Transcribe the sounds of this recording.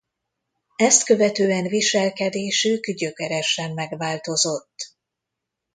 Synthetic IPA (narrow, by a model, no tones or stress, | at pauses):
ɛst̪kø̞vɛt̪øːɛnviʃɛlkɛd̪eːʃykɟø̞kɛɾɛʃɛmːɛɡʋaːlt̪o̞zo̞t̪ː